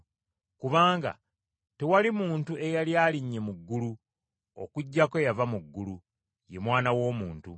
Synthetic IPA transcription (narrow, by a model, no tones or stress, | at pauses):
kuβaːŋɡa̰ | tewalimuːntuʔe̞jaljaːliɲːe̞muɡːulu | o̰kuɟːake̞javamuɡːulu | je̞mwaːnawo̞ːmuːntu